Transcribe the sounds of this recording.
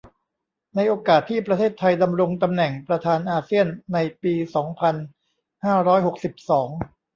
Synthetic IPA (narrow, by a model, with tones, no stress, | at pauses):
na˧jʔoː˧kaː˨˩t̪ʰːiː˥˩pɾa˧t̪ʰeː˥˩t̪ʰːa˧jda˧mɾo˧ŋt̪a˧mnɛ˨˩ŋpɾa˧t̪ʰaː˧nʔaː˧si˥˩ənːa˧jpiː˧sɔː˩˦ŋpʰa˧n | haː˥˩ɾɔː˦˥jho˨˩k̚si˨˩p̚sɔː˩˦ŋ